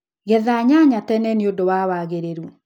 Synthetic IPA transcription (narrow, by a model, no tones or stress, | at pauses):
ɣɛðaɲaɲatɛnɛneodowawaɣeɾeɾu